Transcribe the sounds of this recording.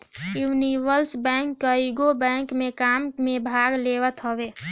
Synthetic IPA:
juːniʋəlsbɛ̃ŋkːəiɡobɛ̃ŋkmekammẽbʱaɡleʋət̪ɦəbe

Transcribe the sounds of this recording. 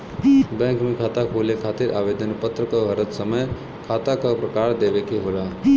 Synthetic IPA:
bɛ̃ːŋkmẽkʰaːt̪akʰoːlekʰaːt̪ɪɾʔaːʋeːd̪ənpət̪ɾəkaɦɐɾət̪səməj | kʰaːt̪akapɾɐkaːɾd̪eːʋekeɦolaː

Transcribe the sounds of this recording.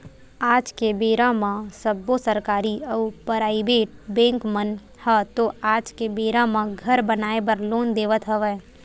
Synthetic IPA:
aːd͡ʒkebeːɾãmãsəbːosəɾkaːɾiəupəɾaːibeːʈ̚bɛ̃ːŋkmən | hət̪oaːd͡ʒkebeːɾãmãɡʱəɾbənaːebəɾloːnd̪eːʋət̪ɦəʋɛː

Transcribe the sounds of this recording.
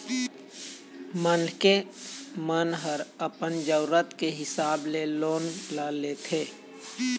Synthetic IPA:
mənkemənɦəɾəpənd͡ʒəʊɾət̪keɦɪsaːbleloːnlalet̪ʰeː

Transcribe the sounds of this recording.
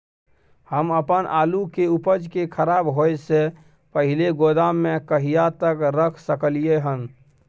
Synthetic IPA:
həməpənʔa̰lukeupəd͡ʒkekʰəɾabɦojse | pəɦileɡod̪amːekəɦijat̪əkɾəkʰsəkəlijeɦən

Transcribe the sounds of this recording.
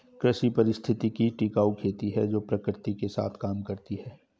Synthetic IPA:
kɾəʃipɐɾɪst̪ʰɪt̪ikiʈikaːukʰeːt̪iɦɛd͡ʒoːpɾɐkɾɪt̪ikesa̰ːt̪ʰkaːmkɐɾt̪iɦɛː

